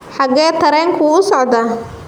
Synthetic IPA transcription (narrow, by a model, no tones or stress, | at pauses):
ħɑɡɛːt̪ʰɐɾɛːŋkʰʊʊsɔʕd̪ɐ